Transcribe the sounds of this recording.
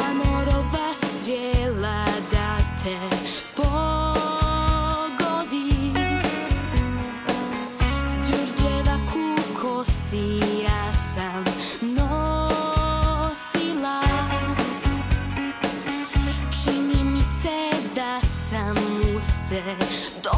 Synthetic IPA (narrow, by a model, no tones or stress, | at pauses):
amɔɾɔbast̪ɾjɛlad̪at̪ʰɛ | po | ɡɔd̪i | d͡ʒuɾd͡ʒɛlakʰukʰɔsijaːsamno | sila | t͡ʃinimisɛd̪asamːusɛd̪ɔ